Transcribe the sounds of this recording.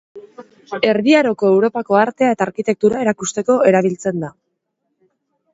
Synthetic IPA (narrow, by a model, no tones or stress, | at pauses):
e̞ɾðiaɾo̞ko̞e̞wɾo̞pako̞aɾt̪e̞ae̞t̪aːɾkit̪e̞k̚t̪uɾae̞ɾakust̪e̞ko̞e̞ɾaβ̞ilt͡se̞nd̪a